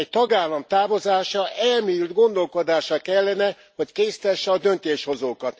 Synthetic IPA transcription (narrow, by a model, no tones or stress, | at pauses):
ɛct̪ɒɡaːlːɒmt̪aːvo̞zaːʃɒʔɛlmiːld̪ɡo̞nd̪o̞lko̞d̪aːʃɒkɛlːɛnɛ | ho̞ckeːst̪ɛʃːɛɒd̪ønt̪eːʃho̞zoːkɒt̪